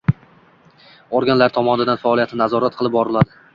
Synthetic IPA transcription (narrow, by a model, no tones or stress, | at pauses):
oɾɡʲanlaɾt̪ʰɒmɒnɪd̪anfaɒlˠijat̪ʰɪnazɒɾat̪̚qʰɨlˠɪp̚bɒɾɪlad̪ɪ